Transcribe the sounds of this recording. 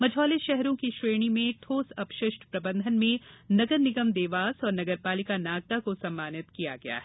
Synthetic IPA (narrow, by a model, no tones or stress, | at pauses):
mɐd͡ʒʱɔːleʃɛɦɾõkiʃɾeːɽ̃imẽʈʰoːsɐpʃɪʃʈpɾɐbə̃nd̪ʱənmẽnɐɡəɾnɪɡəmd̪eːʋaːsɔːɾnɐɡəɾpaːlɪkanaːɡ̚t̪akosɐ̃mːaːnɪt̪kija̰ɡɐja̰ːɦɛ